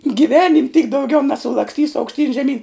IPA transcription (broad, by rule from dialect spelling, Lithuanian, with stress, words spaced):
ɡʲɪˈʋʲæːnʲɪmʲ tʲiːk dɐʊˈɡʲɛʊ nʲɛsʊlˠɐksʲˈtʲiːsʊ ɐʊkʃʲˈtʲiːn ʒʲɛˈmʲiːn